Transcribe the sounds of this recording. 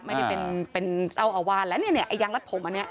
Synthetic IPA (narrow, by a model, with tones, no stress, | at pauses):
ma˥˩ja˥˩pe˨npe˨nsa˥˩wʔa˧˩waː˧˩˨nlɛː˦˥wni˦˥˩ni˦˥ɐʔa˧˩jaː˧ŋla˦˥t̪̚pʰo˨˩˦mʔa˧nːi˦˥ɐʔ